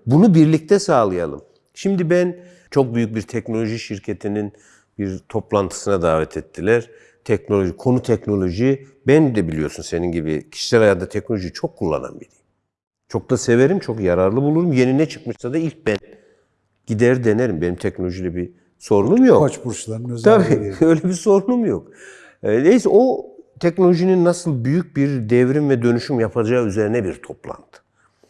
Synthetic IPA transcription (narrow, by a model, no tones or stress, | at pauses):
bunubiɾlʲic̚t̪ʰɛsaːlˠɯjalˠɯ̰m | ʃimd̪ibæn | t͡ʃʰo̞k̚byjyc̚biɾt̪ʰɛcno̞lʲo̞ʒiʃiɾcʰet̪ʰinin | biɾt̪ʰo̞plˠant̪ʰɯ̥sɯnad̪aːvɛt̪ʰɛt̪ʰːilʲæɾ̥ | t̪ʰɛcnolʲo̞ʒikʰo̞nut̪ʰɛcno̞lʲo̞ʒibænd̪ɛbilʲijo̞sunse̞ninɟibḭcʰi̥ʃi̥sɛlʲajat̪nd̪at̪ʰɛcno̞lʲoʒijit͡ʃʰo̞kʰːulˠːa̰na̰nbidi | t͡ʃʰo̞k̚d̪aseveɾimt͡ʃʰo̞kjaɾaɾlˠɯbulˠuɾumje̞ninɛt͡ʃʰɯ̥kmɯʃsad̪ailʲc̚bæn | ɟ̥id̪æɾd̪e̞neɾimbenimt̪ʰɛcnolʲo̞ʒilʲɛbi | so̞ɾulˠumjokt͡ʃbuɾt͡ʃlˠaɾɯnøzt̪ʰabiø̞jlʲɛbiso̞ɾulˠumjokː | nejisɛʔo̞t̪ʰɛcnolʲo̞ʒininːasɯlˠbyjyc̚biɾd̪ɛvɾimvɛd̪ø̞nyʃymjapʰad͡ʒaːyze̞ɾinɛbiɾt̪ʰo̞plˠa̰nt̪ʰɯ̥